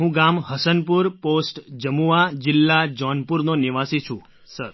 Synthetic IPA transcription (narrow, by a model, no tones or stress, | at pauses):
ɦũɡamɦəsənpuɾposʈd͡ʒəmuad͡ʒɪlːad͡ʒɔnpuɾnonɪʋasit͡ʃʰũ | səɾ